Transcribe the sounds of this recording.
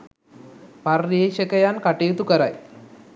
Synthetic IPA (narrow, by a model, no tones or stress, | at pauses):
pɐrːeːʃɐkɐjankɐʈeːt̪ukɐɾa̰j